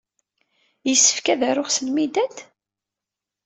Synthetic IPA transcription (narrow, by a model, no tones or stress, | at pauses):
jəsːə̥fkæðæɾʊʁsəlmid̪æt̪